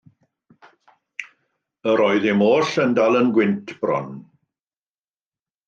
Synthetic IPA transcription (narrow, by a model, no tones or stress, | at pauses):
əɾɔːɨðɪmoːɬəndalˠənɡwɪntʰb̥rɔ̰n